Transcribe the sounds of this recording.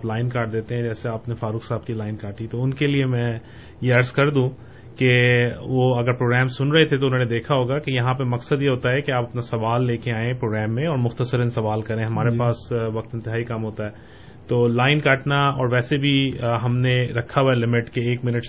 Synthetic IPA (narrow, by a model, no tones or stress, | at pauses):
aːplaːɪnkaːʈ̚d̪eːt̪ẽɦɛ̃d͡ʒɛːseaːpnefaːɾʊːksaːb̚kilaːɪnkaːʈit̪oʊnkeliemɛ̃ | jeɐɾskɐɾd̪ũ | keʋoɐɡəɾpɾoːɡɾɛːmsʊnɾɐɦet̪ʰet̪̬oʊnɦõːned̪eːkʰaɦoːɡakejɐɦãp̬ɐɾmɐksəd̪jeɦoːt̪aɦɛkeaːpɐpnasɐʋaːlːeːkeaːẽpɾoːɡɾɛːmːẽɔːɾmʊxt̪əsəɾənsɐʋaːlkɐɾẽɦɐmaːɾepaːsʋɐk̚t̪ɪ̃nt̪ɪɦaːikɐmɦoːt̪aɦɛː | t̪oːlaːɪnkaːʈnaɔːɾʋɛːsebʱiɦɐmneɾɐkʰːaɦelɪmɪʈkeːkmɪnəʈ